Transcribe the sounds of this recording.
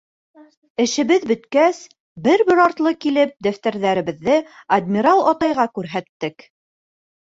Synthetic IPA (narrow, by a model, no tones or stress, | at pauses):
ɘ̆ʃɘ̆βɘðbɵ̆t̪kæs | bɘɾbɘɾɑɾt̪lˠɤkilɘp̚d̪æft̪æ̆ɾðæɾɘ̆βɘ̆ðːɘɐd̪mʲiɾɑlˠɒt̪ɑjʁɑkʉɾɦæt̪ːɘk